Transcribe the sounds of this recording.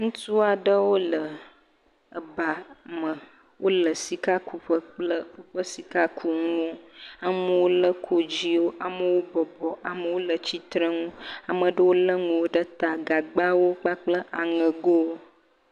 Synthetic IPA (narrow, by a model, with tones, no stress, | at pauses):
ŋũ˦t̪u˦a˨ɖə˦wo˦lə˨ | ə˨ba˨mə̃˨ | wo˦lə˨si˨ka˦ku˨ɸə˦k͡plə˦ɸu˦ɸə˦si˨ka˦kʰu˦ŋũ˦wo˦a˨mə˦wo˦lə˦kʰo˦d͡ʑi˦wo˦ʔa˨mə˦wo˦bɔ˨bɔ˨ʔa˨mə˨wo˦lə˨t͡ɕi˦t̪ɾə˦ŋũ˦a˨mə˨ɖə˦wo˦lə˦ŋũ˨wo˦ɖə˦t̪a˨ɡa˨ɡ͡ba˦wo˦k͡pa˦k͡plə˦ʔa˨ŋə̃˨ɡo˦wo˦